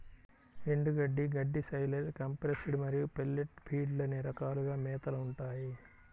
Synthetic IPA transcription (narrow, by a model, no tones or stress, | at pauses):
ɾeɳɖuɡɐɖːiɡɐɖːisɐjlɐskɐmpɾesiɽumɐɾijupelːeʈpʰiːɖlɐneːɾɐkaːluɡaːmɛːt̪ɐlɐuɳʈaːji